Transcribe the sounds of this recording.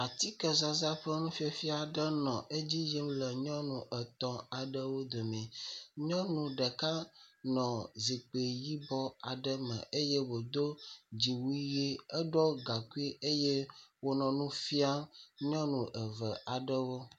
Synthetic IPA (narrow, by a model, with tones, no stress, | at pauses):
a˨t̪i˦kə˦za˨za˦ɸə˦mũ˦fi˦e˨fi˦a˨ɖə˦nɔ̃˨ʔe˦d͡ʑi˦ji˦m˦lə˨ɲɔ̃˦nũ˨ʔɛ˨t̪ɔ̃˨a˨ɖə˦wo˦d̪o˨mɛ̃˨ɲɔ̃˦nũ˨ɖə˨ka˦nɔ̃˨zi˨k͡pe˨ji˦bɔ˦a˨ɖə˦mɛ̰̃˨ʔe˦je˦wo˨d̪o˦d͡ʑi˨wu˦i˦je˦ɛ˦ɖɔ˦ɡa˨ku˦i˦ʔe˦je˦wo˦nɔ̃˨nũ˦fi˦a˦mɲɔ̃˦nũ˨ʔə˨və˨ʔa˨ɖə˦wo˦